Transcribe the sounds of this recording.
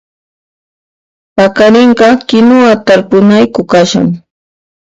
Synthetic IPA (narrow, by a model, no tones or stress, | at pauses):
pakaɾɪɴɢɑkɪnʊat̪aɾpʊnajkʊkaʃa̰ŋ